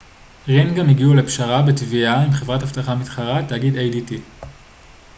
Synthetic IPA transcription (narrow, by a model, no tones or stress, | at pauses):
ʁinɡamiɡiulepʃaʁabetviaimχe̞vʁathaftaχamitχaʁatːaɡidejditi